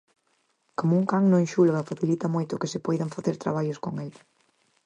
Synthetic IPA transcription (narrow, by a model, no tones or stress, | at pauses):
komʊuŋkaŋnõŋʃulɣɐfaθilit̪ɐmojt̪ʊkɪsɪpojðɐŋfaθeɾt̪ɾa̰β̞aʎʊskoŋel